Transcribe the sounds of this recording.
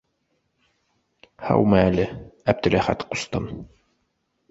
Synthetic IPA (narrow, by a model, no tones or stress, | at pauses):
hɑ̰wmɘælɘæb̚d̪ɘ̆læhæ̰t̪qu̥st̪ɤn